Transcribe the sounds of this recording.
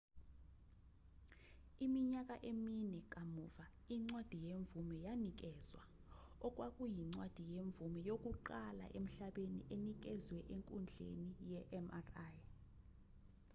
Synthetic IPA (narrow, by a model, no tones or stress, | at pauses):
imiɲakʼaʔeminɛk̬ʼamuːva | iŋ͡ǀwad̥ʱijeɱb̪vumɛjanik̬ʼɛːzwa̰ | ɔkʼwakʼujiŋ͡ǀwad̥ʱijeɱb̪vumɛjokʼuǃala̰ʔem̩ɬaɓenḭʔenik̬ɛzwɛʔeŋkʼund͡ɮʱḛnijɛʔɛmaraj